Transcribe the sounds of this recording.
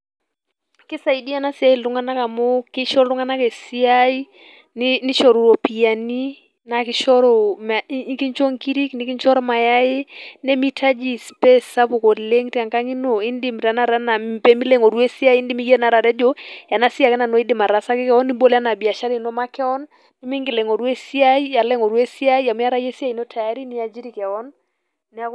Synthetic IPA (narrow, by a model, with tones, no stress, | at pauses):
kɪ˦sa˨i˨di˦a˨˦na˦si˨a˦i˨lʊ˨˦ŋa˦na˦ka˨mo˦kɪ˦ʃɔ˦ɾlʊ˦ŋa˦na˦ke˨si˦a˦i˦ | nɪnɪ˦ʃɔ˨ɾu˨ɾo˨pi˨ja˨ni˦ | na˨kɪ˦ʃɔ˦ɾɔ˨ma˨˦ki˦ɲt͡ʃo˦ŋki˦ɾi˦knɪ˨˦kɪ˦ɲt͡ʃɔ˦ɾɔ˦ma˨ja˦ɪ˦nɛ˦mi˦tʰa˦d͡ʒi˨spe˦sa˦po˨ko˨dle˦ŋtja˨ŋka˦ŋi˦no˨ɪ˦ndi˦mɾa˨˦na˦ɾa˦na˨pe˦mi˦le˦ŋo˨ɾwe˦sɪ˦a˦ɪ˦ndi˦mi˦ɡe˦na˨ɾa˨ɾɛ˦d͡ʒo˦ja˨na˦sɪ˦a˨kɛ˦na˨no˦ɪ˦dɪ˨ma˨ɾa˨sa˦kɪ˦kɛ˦ɔ˦ni˦bo˦la˦na˨bɪ˨a˨ʃa˦ɾɪ˨˦nɔ˦ma˦kɛ˦ɔ˦n | dɪ˦mɪ˦ŋɡɪ˨lɛ˨ŋo˨ɾwe˦sɪ˦a˦i˦ja˨lɛ˦ŋo˨ɾwe˦sɪ˦a˦jja˨m˦a˦ɾa˦je˦sa˦i˨no˦tʰa˨ja˦ɾi˦nɪ˦a˨d͡ʒi˦ɾi˨kɛ˨ɔ˦n | nɪ˨a˦